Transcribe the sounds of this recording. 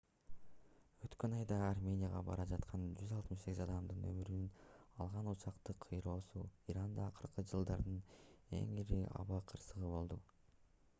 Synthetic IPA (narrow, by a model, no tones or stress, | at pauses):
ø̞t̪kø̞nɑjd̪ɑːrmʲe̞nʲɪjaʁɑ̰bɑ̰ɾɑd͡ʒɑt̪qʰɑnd͡ʒyzɑlˠt̪mɯʃse̞ɡizɑd̪ɑmd̪ɯnø̞̰myɾynynɑlˠʁɑnut͡ʃɑqt̪ɯqʰːɯjɾo̞ːsuiɾand̪ɑːqʰɯɾqɯd͡ʒɯlˠd̪ɑɾd̪ɯnḛŋiɾiɑ̰βɑqʰɯɾsɯʁɯbo̞lˠd̪u